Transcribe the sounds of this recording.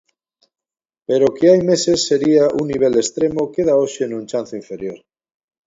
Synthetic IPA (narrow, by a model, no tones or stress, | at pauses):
pe̞ɾokeajme̞se̞sːe̞ɾiaʔunːiβ̞e̞lest̪ɾe̞moke̞ð̞aoʃenũnt͡ʃan̟θoiɱfe̞ɾjo̞ɾ